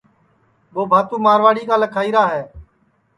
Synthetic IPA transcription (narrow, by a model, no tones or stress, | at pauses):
ɓoːbʱaːt̪uːmaːɾʋaːɽiːkaːləkʰaːiːɾaːɦɛː